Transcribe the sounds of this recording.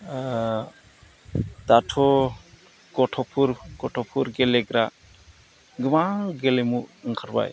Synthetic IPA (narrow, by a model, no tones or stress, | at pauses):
t̪atʰɔ | ɡɔʈʰɔpʰuɾɡɔʈʰɔpʰuɾɡɛlɛɡɾa | ɡɯmaŋɡɛlɛmuʔŋkʰaɾba̰j